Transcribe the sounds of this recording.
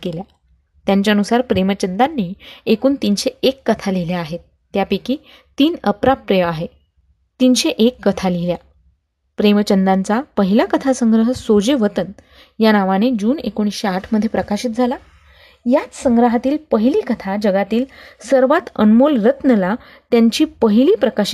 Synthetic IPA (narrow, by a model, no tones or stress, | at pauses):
kelja | t̪jaɲt͡ɕjaənusaɾpɾemət͡ɕənd̪anːiekuːnt̪iːnɕeekːət̪ʰaliljaːɦet̪̚ːjapikiː | t̪iːnəpɾapːɾejəaɦe | t̪inɕeʔekːət̪ʰalilja | pɾemət͡ɕənd̪ant͡sapəɦilakət̪ʰasəŋɡɾəɦəsod͡ʑeʋət̪ən | janaʋañed͡ʑuːnḛkoɽ̃isɕeaʈʰməd̪ʱːjepɾəkaɕiːt̪̚d͡zʱala | jat͡ssə̃ŋɡɾəɦat̪iːlpəɦiliːkət̪ʰad͡ʑəɡat̪iːlsəɾʋat̪ə̰nmolɾət̪nəla | t̪jaɲt͡ɕiːpəɦiliːpɾəkaɕi̥